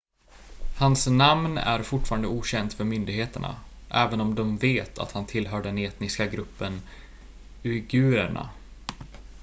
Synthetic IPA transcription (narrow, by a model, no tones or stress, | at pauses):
hansnamnæ̰ɾfʊʈːfɑːɾand̪əuːɕɛnt̪fœɾmʏnd̪ɪɡheːt̪əɳa̰ | ʔɛːvənɔmd̪ɔmveːt̪ʰa̰t̪hant̪ʰɪlːɦœːɖɛneːt̪nɪskaɡɾɵpːən | ɪɡʉ̟ːɾəɳa̰